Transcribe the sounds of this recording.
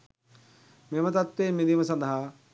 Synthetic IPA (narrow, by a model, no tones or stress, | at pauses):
memət̪at̪ʋeːmːind̪iməsand̪əɦa